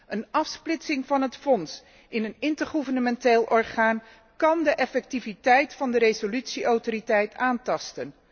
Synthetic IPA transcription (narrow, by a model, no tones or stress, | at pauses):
ənɑfsplɪtsɪŋvɑnɦətfɔns | ʔɪnənɪntəɹχuvəɹnəmɛnteːlˠʔɔɹχaːn | kɑndəʔɛfɛk̚tivitɛjtfɑndəɾezolytsiʔɔwtoɾitɛjtaːntɑstən